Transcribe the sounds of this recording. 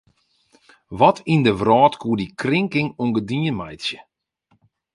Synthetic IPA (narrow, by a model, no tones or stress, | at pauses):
ʋɔtʰindəʋrɔːtkʰuədikrɪŋkɪŋuŋɡədiənmajtsjə